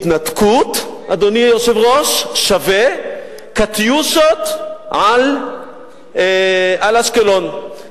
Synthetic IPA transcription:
t̪nat̪kʰut̪ʔad̪onijoʃevʁoʃʃave | kat̪jusot̪ʕal | alaʃkelon

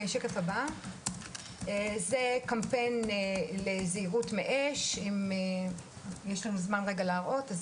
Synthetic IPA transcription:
eʃekefaba | ezekampenleziiʁutmeʔeʃime | jeʃlanuzmanʁeɡaleːʁʔo̞taz

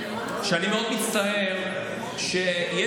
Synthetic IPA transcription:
ʃeanimeod̪mit̪t͡st̪aeʁ | ʃeje

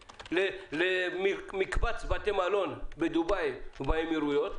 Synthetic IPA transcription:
lelemmikbat͡sbatemalo̞nbed̪ubajbajmiɾujot̪

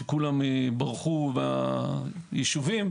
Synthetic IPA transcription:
ekulamebaʁχuba | jiʃuvim

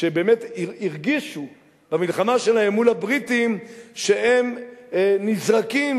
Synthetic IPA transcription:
ʃebeːmet̪iʁɡiʃu | b̥amilχamaʃelaemːulabʁitimʃeem | nizʁakim

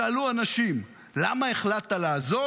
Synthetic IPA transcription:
aaluanaʃim | lamaeχlat̪alaːzo

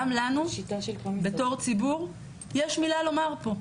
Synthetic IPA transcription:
mlanuʃitbe̞to̞ʁt͡sibuʁ | jeʃmilalo̞maʁpo̞

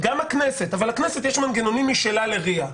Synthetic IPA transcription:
ɡamhaknese̞tavalakneset̪̬jeʃmanɡeno̞nimiʃelale̞ʁia

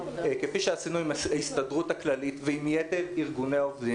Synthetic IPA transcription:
ekefiʃeasinuimaaist̪adʁuthaklalitveimjete̞ʁiʁɡuneaovdi

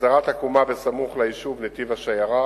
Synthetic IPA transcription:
aʁat̪hakumabesamuχlaiʃuvnet̪ivaʃajaʁa

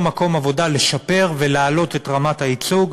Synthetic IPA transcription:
mako̞mavo̞dale̞ʃape̞ʁvelaalo̞tetʁamathait͡suɡ

